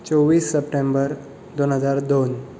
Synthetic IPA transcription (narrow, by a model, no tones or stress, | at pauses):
t͡sɔwʋːiːsːəpʈembəɾ | d̪onɦəd͡zaɾd̪on